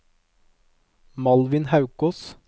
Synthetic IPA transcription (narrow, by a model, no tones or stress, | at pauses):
mɑlʋɪnhɑʉkɔs